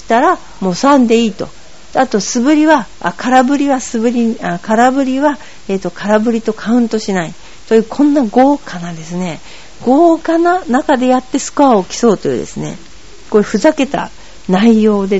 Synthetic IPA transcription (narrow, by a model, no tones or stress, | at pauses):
ɕi̥t̪aɾa | mo̞ːsãnd̪e̞iːt̪o̞̰ | t̪at̪o̞sɨbɯ̟ɾʲiβa̰ː | kaɾabɯ̟ɾʲiβasɨbɯ̟ɾʲiakaɾabɯ̟ɾʲiβa | e̞ːt̪ːo̞kʰaɾabɯ̟ɾʲit̪o̞kʰaɯ̟̃nt̪o̞ɕinai | t̪o̞jɯ̟ːkʰõ̞nːaɡo̞ːkʰanad̪e̞sɨne̞ | ɡ̥o̞ːkananakad̪e̞jat̪ːe̞sɨ̥kɯ̟aokʲi̥so̞ːt̪o̞jɯ̟̰ːd̪e̞̰sɨne̞̰ | koːe̟ɸɯ̟zake̞t̪a̰ | naijo̞ːd̪e̞